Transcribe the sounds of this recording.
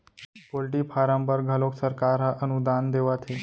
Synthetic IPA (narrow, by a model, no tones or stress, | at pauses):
polʈiːpʰaɾãmpəɾɡʱaloksəɾkaɾɦaʔənud̪and̪eʋat̪ʰe